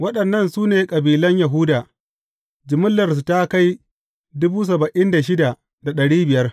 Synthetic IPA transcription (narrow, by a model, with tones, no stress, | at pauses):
wɐ˦ɗɐ˨nːɐ˦˨nsuː˦neː˨kʼɐ˨biː˨lɐ˦ɲjɐ˨ɦʊ˦daː˨ | d͡ʒɪ˨mʊ˦lːɐ˨rs̬u˨ta˦ka˦j | dʊ˦buː˦s̬ɐ˨bɐ˨ʔɪ˦nda˨ʃ̬ɪ˦da˨ | da˨ɗɐ˨ɽiː˦bɪ˨jɐ˦r